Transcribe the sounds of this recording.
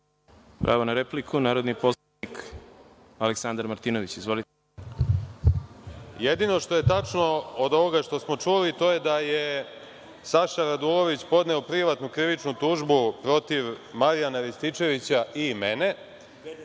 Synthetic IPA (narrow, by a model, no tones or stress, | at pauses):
pɾʔa̰ʋonaɾeplikʰunaːɾo̞d̪nipos | ik | aleksand̪aɾmaɾt̪ino̞ʋit͡ɕizʋo̞lit̪e | jed̪ino̞ʂt̪o̞je̞t̪at͡ʂnood̪o̞ʋo̞ɡaʂt̪o̞smo̞t͡ʂulit̪o̞je̞d̪aje | saʃaɾad̪ulo̞ʋit͡ɕpo̞d̪ne̞opɾiʋat̪nukɾiʋit͡ʂnut̪uʒbupɾo̞t̪iʋmaɾijanaɾist̪it͡ʃe̞ʋit͡ɕaimene̞